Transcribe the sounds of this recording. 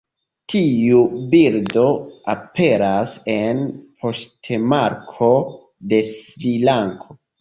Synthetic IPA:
tʰiubiɾdo̞ape̞ɾase̞npʰo̞stʰemaɾkʰo̞ | de̞svilaŋkʰo

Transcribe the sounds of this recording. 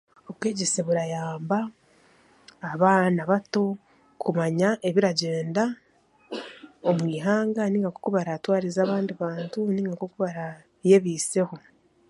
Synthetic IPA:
o̞βwe̞ːɟe̞se̞βuɾajaːmba | βaːnaβato̞ | kumaɲaʔe̞βiɾaɟe̞ːnda | omwiːɦaːŋɡaniːŋɡakokuβaɾatwaːɾizaːβaːndiβaːntuniːŋɡakokuβaɾa | je̞βiːse̞ho̞

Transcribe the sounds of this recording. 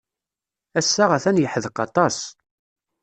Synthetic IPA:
æsːaʁæθænjəħəðqɑt̪ˤɑs

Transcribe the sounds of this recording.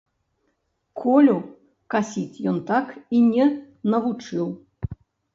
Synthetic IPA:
kʰɔlʲu | kasʲit͡sʲjɔnt̪akinʲɛ | nɐvut͡ʂɨw

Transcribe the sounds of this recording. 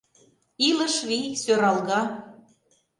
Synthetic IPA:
ilə̆ʃβisøɾɑlɣɑ

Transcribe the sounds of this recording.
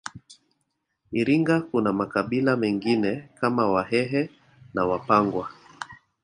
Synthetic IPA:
iɾiŋɡakunamakaɓilamɛŋɡinɛkamawaɦɛɦɛ | nawapaŋɡwa

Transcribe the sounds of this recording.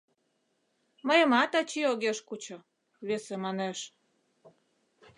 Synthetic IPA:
məjə̆mɑt̪ɑt͡ɕioɣeʃkut͡ɕŏ | βesemɑneʃ

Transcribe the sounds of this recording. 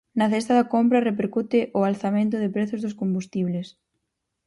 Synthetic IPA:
nɐθɛst̪aðɐkompɾɐrep̬eɾkut̪ɪʔʊalθamẽnt̪ʊðɪpɾeθʊzðʊskombust̪iβ̞les

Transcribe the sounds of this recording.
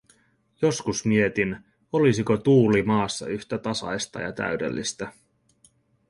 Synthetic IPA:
jo̞skusmie̞t̪in | o̞lisikot̪uːlimɑːsːɑ̰yçt̪æt̪ɑsɑ̰jst̪ɑ̰jɑ̰t̪æ̰ɥde̞̰lːḭst̪æ

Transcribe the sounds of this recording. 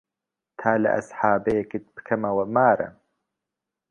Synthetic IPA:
t̪ʰaːlɐ̰ʔɐ̰sħaːbɐjekit̪̚bɨ̥kʰɐmɐwɐmaːɾɐ̰

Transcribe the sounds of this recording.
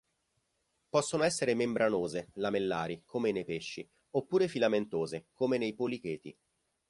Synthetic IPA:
pɔsːonoɛs̬ːeɾemembɾʔanoːzelamelːaːɾikʰomenejpeʃːi | opːuːɾefilament̪oːzekomenejpolikeːt̪ḭ

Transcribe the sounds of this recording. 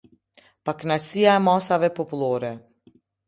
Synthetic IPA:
paknasijamɔsaʋɛpɔploːɾɛ

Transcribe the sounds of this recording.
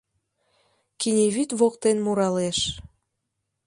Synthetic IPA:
kinʲeβit̪βok̚t̪enmuɾɑleʃ

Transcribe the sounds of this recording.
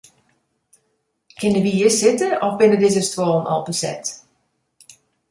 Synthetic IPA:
kʰɪnəʋiəsɪtəʔɔfbɪnədɪzəstwoːnʔɔ̰lˠpəsɛ̰t

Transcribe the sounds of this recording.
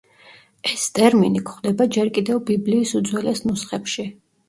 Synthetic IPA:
ɛst̪ʼɛɾminikʰχd̪ɛbad͡ʒɛɾkʼid̪ɛvbibliːsud̪zwɛlɛsnusχɛpʃi

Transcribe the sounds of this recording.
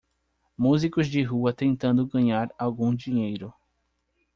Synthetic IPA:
muzikʊzd͡ʒɪɦuɐt̪ẽnt̪ɐ̃nd̪ʊɡɐ̃ɲaɾawɡũd͡ʒiɲejɾʊ

